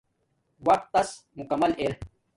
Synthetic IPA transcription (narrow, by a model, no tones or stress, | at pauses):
wɐk̚t̪ːɐs | mukɐmɐleɾ